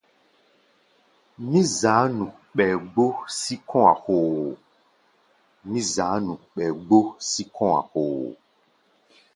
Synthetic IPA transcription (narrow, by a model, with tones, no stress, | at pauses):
mĩ˦za˨˦nũ˨ | k͡pɛ˨ɡ͡bo˦si˦kʰɔ̃˦a̰˨xo˨ | mĩ˦za˨˦nũ˨k͡pɛ˨ɡ͡bo˦si˦kʰɔ̃˦a̰˨xo˨